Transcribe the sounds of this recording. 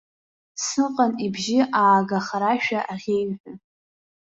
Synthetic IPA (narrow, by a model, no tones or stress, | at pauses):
sɨqʼanibʒɪʔaːɡaχaɾaʃᶣaʔaʁʲejħʷᶣʊ